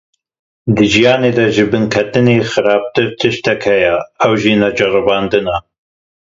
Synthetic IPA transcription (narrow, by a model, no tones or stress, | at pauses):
d̪ɨʒijɑːneːd̪ɐʒɨbɨnkʰɛt̪ɨneːxɨɾɑːb̚t̪ɨɾt̪ʰɨʃt̪ɛkhɛjɛɐwʒinɐd͡ʒɨrɨbɑːnd̪ɨnɑ